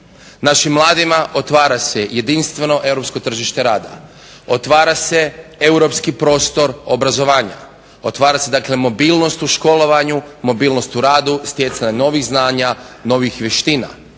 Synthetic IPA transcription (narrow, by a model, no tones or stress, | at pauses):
naʃimːlˠaːd̪imaʔot̪ʋaːɾaseje̞d̪inst̪ʋe̞no̞ʔe̞wɾo̞psko̞t̪r̩ʒiʃt̪e̞ɾaːd̪a̰ | o̞t̪ʋaːɾase̞e̞wɾo̞pskipɾo̞ːst̪o̞ɾobɾazo̞ʋaːɲa̰ | o̞t̪ʋaːɾase̞d̪akle̞mo̞biːlˠno̞st̪uʃko̞lo̞ʋaɲumo̞biːlno̞st̪uɾaːd̪ust̪je̞t̪saɲano̞ʋixznaːɲano̞ʋixʋje̞ʃt̪iːna̰